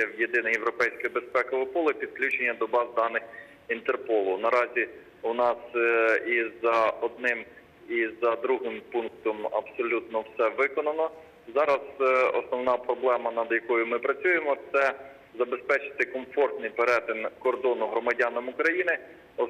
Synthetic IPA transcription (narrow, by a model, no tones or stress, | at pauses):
ɐwjed̪ɪnɐjewɾɔpɛjsʲkɪbe̞spɛkɔʋɪpɔlˠɪpʲid̪̚klʲut͡ʃenʲːɐd̪ɔbɑzd̪ɑnɪx | int̪erpɔlˠʊnɐɾɑzʲi | ʊnɑsizɐɔd̪̚nɪm | izɐd̪ɾuɦɪmpunk̚t̪ɔmɐ̰bsɔlʲut̪nɔwsɛʋɪkɔnɐnɔ | zɑɾɐzɔ̰snɔwnɑpɾɔblˠɛmɐnɐd̪jɐkɔjʊmɪpɾɐt͡sʲujemɔt̪sɛ | zɐbe̞spɛt͡ʃɪ̥t̪ɪkɔmfɔrt̪nɪjpeɾɛt̪ɪnkɔrd̪ɔnʊɦɾɔmɐdʲɑnɐmʊkɾɐjinɪ | ɔ